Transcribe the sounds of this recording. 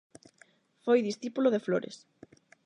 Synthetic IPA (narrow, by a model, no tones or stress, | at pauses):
fojðisθipuloðefloɾḛs